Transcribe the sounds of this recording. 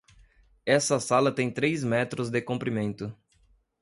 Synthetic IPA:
ɛsɐsalɐt̪ẽj̃t̪ɾejzmɛt̪ɾʊzd̪ɪkõmpɾimẽnt̪ʊ

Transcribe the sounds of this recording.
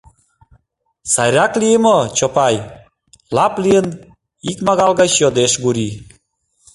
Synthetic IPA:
sɑjɾʲɑklijəmət͡ɕopɑj | lɑplijən | ikmɑɣɑlɣɑɕjod̪eʃɡuɾi

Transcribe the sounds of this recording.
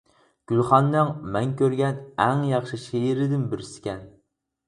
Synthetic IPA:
ɡ̥ʲylχɑnːɨŋmɛŋkʲøɾɡʲɛnɛŋjɑχʃɨʃeɪɾɪd̪ɪnbɪɾsɪ̥kʲɛn

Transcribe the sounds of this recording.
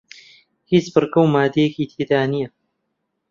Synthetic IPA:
hit͡sbɨrɡɐwmaːd̪ejekiːt̪ʰeːd̪aːnijɐ

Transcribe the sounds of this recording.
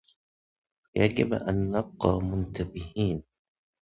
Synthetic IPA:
jad͡ʒɪbʔa̰nːɑb̚qɑːmʊnt̪abɪhiːn

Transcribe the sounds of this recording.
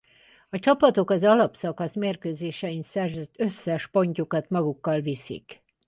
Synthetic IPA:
ɒt͡ʃɒpɒt̪o̞kɒzɒlɒpsɒkɒsmeːrkøːzeːʃɛinsɛrzɛt̪ø̞sːɛʃpo̞ɲcukɒt̪mɒɡukːɒlvisḭk

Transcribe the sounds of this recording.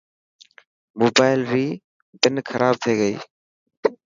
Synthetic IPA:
moːbaːɪlɾiː | pɪnkʰəɾʔaːb̚t̪ʰeːɡəiː

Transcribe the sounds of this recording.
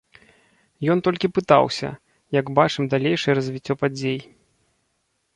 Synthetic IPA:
jɔnt̪ɔlʲkʲipɨt̪a̰wsʲɐ̰ | jɐɡbat͡ʂɨmd̪alʲejʂɨjɛɾɐzʲvʲit͡sʲːɔpad͡zʲej

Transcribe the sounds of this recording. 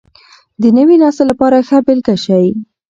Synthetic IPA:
d̪ənəwinɑst̪elapɑɾaxabɪlkaʃaj

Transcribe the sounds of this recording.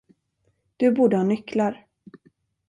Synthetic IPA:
d̪̥ɵbuːɖ̪əhanʏklaɾ

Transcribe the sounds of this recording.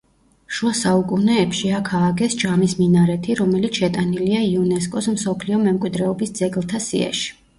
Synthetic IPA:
ʃuasaukʼunɛːpʃiakʰaːɡɛsd͡ʒamisminaɾɛt̪ʰiɾɔmɛlit̪sʃɛt̪ʼaniliaiunɛs̬kʼɔsmsɔpʰliɔmɛmkʼwid̪ɾɛɔbisd̪z̥ɛɡlˠt̪ʰasḭɛ̰ʃi̥

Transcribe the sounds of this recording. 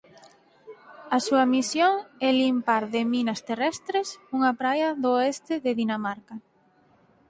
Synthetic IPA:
ɐsuɐmisjoŋɛlimpaɾðɪminɐst̪erɛst̪ɾesuŋɐpɾajɐðoɛst̪ɪðɪðinamaɾkɐ

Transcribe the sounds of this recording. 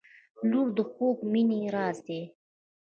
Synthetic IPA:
luɾd̪əxoːkminiɾɑːzd̪e

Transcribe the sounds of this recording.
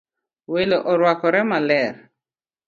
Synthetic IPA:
welɔʔɔɾwakɔɾɛmalɛɾ

